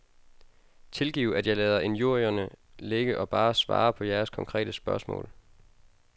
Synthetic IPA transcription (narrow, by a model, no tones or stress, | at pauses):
t͡sʰe̝lɡ̥ḭːʊæd̥jɑɪlɛːð̞ˠɐʔe̝njuɐjɐnəleɡ̥əʔɒ̽b̥ɑ̈ːsʋɑ̰̈ːpʰɒ̽jæɐskʰɒ̽ŋkʰʁɛ̰ːd̥əsb̥ɶɐsmɔ̰̽ːl